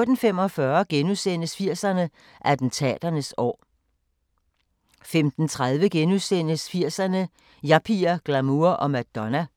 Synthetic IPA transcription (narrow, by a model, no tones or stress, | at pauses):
d̥n̩fem̰ɒ̽fɶːɐɡ̥enuðˠsen̰əsfiɐ̰sɐnə | ʔæd̥n̩t͡sʰɛ̰ːd̥ɐnəsɒ̰ː | femd̥n̩t͡sʰʁað̞ˠʋəɡ̥enuðˠsen̰əsfiɐ̰sɐnə | jɑ̈pʰiɐɡ̥læmuɐʔɒ̽mæ̥d̥ɒnæ